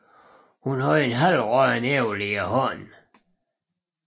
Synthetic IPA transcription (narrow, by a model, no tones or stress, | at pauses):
hunɦɔenɦælʁœneʊliəɦɔn